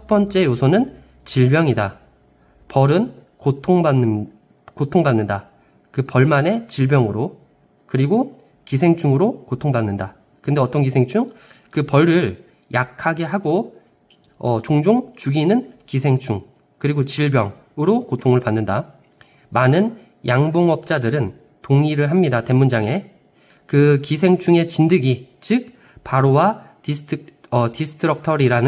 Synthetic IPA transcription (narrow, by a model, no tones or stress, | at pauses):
t͡ɕʰʌp͈ʌnt͡ɕ͈e̞josʰʌnɯn | t͡ɕiɭbjʌŋida | pʌɾɯn | kotʰoŋb | kotʰoŋbanːɯnda | kɯpʌɭmane̞t͡ɕiɭbjʌŋɯɾo | kɯɾiɡo | kisʰe̞ŋt͡ɕʰuŋɯɾokotʰoŋbanːɯnda | kɯnde̞ʌt͈ʌnkisʰeŋt͡ɕʰuŋ | kɯpʌɾɾɯɭ | jakʰaɡe̞ɦaɡo | ʌt͡ɕoŋd͡ʑoŋt͡ɕuɡinɯnkisʰe̞ŋt͡ɕʰuŋ | kɯɾiɡot͡ɕiɭbjʌŋ | ɯɾokotʰoŋɯɭpanːɯnda | manɯn | jʔaŋboŋʌp̚t͡ɕ͈adɯɾɯn | toŋiɾɯɭɦamɲidate̞mund͡ʑaŋe̞ | kɯkisʰe̞ŋt͡ɕʰuŋe̞t͡ɕindɯɡit͡ɕɯk̚ | paɾowa | ʌtisʰɯ̥tʰɯɾʌk̚tʰʌɾiɾanɯ